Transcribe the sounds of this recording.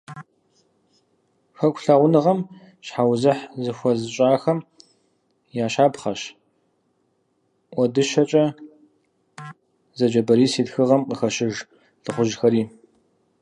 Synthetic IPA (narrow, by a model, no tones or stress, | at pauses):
xɐkʷʰɬaːʁʷʊnɨʁɐm | ɕħawzɨħzɨxʷɔzɨɕʼaːxɐm | jaːʃaːbχɐʃ | ʔʷɔdɨʃɐt͡ʃʼɐ | zɐd͡ʒɐbɐɾiːsiːtxɨʁɐmqəxɐʃɪʒ | ɬɨχʷʊʒxɐɾiː